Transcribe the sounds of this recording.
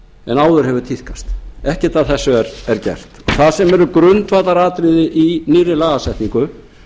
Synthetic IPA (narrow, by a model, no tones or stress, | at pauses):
ɛnaːwðʏɾ̥ɦɛvʏt̪ʰihkast̪ɛhcɛt̪aðθɛsːʏɛɾɛɾcɛ̰r̥t̪ɔθaðsɛmɛɾʏkɾʏnt̪vaːt̪aɾaːt̪ɾɪðɪʔiniːrɪlaːɣasɛjht̪niŋkʏ